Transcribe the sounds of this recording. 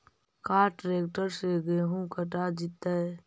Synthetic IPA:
kaːʈɾeːkʈəɾseɡeɦũkəʈad͡ʒɪt̪aɛ

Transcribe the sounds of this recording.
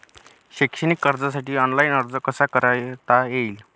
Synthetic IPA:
ɕekʂəɽ̃ikːəɾd͡zasaʈiːɔnlainəɾd͡zəkəsakəɾajt̪ajeil

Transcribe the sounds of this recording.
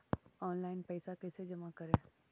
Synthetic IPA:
ɔːnlaːɪnpɛːsakɛːsed͡ʒɐmakɐɾẽː

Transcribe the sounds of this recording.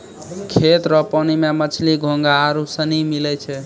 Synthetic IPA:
kʰet̪ɾɔpɔnimemət͡ʃʰliɡʱõŋɡaːɾusənimilɛt͡ʃʰɛ

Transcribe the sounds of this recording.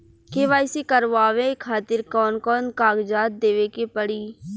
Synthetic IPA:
keʋaːɪsikəɾʋaːʋekʰaːt̪ɪɾkɔːnkɔːnkaːɡd͡ʒaːt̪̚d̪eːʋekepəɽiː

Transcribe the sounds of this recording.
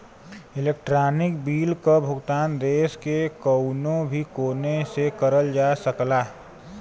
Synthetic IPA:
ɪleːk̚ʈɾaːnɪkbiːlkobʱʊɡt̪aːnd̪eːskekəʊnõbʱikoːnesekəɾəld͡ʒasəklaː

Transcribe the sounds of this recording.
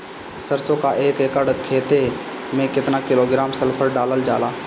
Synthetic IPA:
səɾsokaʔeːkekəɖkʰeːt̪e | mẽkɪt̪nakɪloːɡɾaːmsɐlpʰəɾɖaːləld͡ʒa̰ːlaː

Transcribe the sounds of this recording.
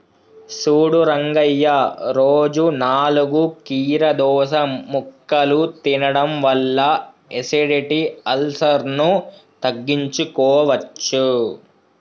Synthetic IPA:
suːɽuɾɐŋɡɐjːɐɾoːd͡ʒunaːluɡukiːɾɐd̪ɔːʃɐmukːɐlut̪inɐɽɐmʋɐlːɐ | eseɖiʈiɐlsɐɾnut̪ɐɡːiɲt͡ʃukɔːʋɐt͡ʃːu

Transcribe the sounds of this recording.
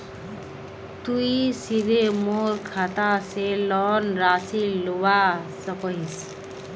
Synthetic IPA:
t̪uisid̪ʱemorkʰat̪aselʌnrasiluwasʌkʌis

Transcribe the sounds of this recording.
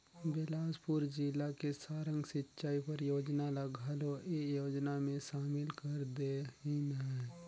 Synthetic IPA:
bɪlaːspʊɾd͡ʒilakesaːɾə̃ŋɡsɪtːʃaːipɐɾjoːd͡ʒnalɐɡʱaːloʔejoːd͡ʒnamẽʃaːmɪlkɐɾd̪eɪnɦɛ

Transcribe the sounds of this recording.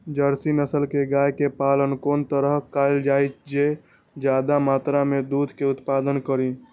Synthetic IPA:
d͡ʒəɾsinəsəlkeɡajkepalənkont̪əɾəɦkaɪld͡ʒajt͡ʃ̪d͡ʒe | d͡ʒad̪amat̪ɾamed̪ud̪ʱkeut̪pad̪ənkəɾi

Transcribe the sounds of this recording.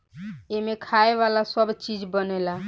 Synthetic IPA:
emekʰaebalasəbt͡ʃid͡ʒbənɛla

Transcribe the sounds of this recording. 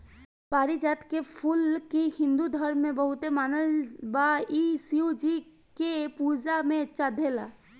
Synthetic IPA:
paːɾid͡ʒaːt̪kepʰʊlkihɪ̃nd̪ud̪ʱɔɾmẽbɐɦʊt̪emaːnəlbaiːsiod͡ʒi | kepuːd͡ʒamẽɐtːʃʰad̪ʱeːla̰ː

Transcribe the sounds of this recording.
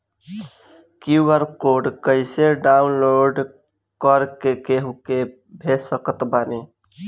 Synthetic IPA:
kiwəɾkoɖkəɪseɖaunloɾɖ | kəɾkekeɦuke | bʱesəkət̪bani

